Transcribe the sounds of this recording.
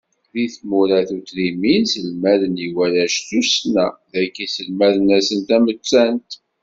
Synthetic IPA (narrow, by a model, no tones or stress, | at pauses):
ðiθmuɾæθut̪ɾiminsəlmæðəniwælæʃθusnæðækːisəlmæðənæsənt̪æmət͡sːænt̪